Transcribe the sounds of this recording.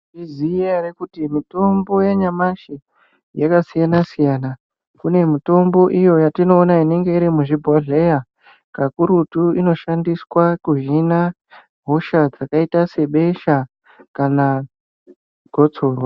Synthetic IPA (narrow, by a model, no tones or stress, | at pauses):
iziaɾekutimito̞mbo̞jeɲamaʃi | jakasijanasijaːna | kune̞mito̞mbo̞ʔijo̞jatino̞ːnaine̞ŋɡe̞iɾimuʐibʱoɮe̞ja | kakuɾutuino̞ʃandiswakuʒina | ɦo̞ʃad͡zakaitase̞ɓe̞ʃa | kana | ɡ̥ʱo̞t͡so̞ːrwa